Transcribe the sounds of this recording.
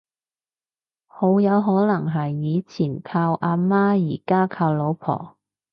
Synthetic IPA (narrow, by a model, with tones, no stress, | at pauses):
ho˨˧˥wjɐ˨˧wɦɔː˨˥nɐ˨˩ŋɦɐ˨jːiː˨˧t͡sʰiː˨˩nkʰaː˧wʔaː˧maː˥jiː˨˩kaː˥kʰaː˧wlo˨˧wpʰɔ̰ː˨˩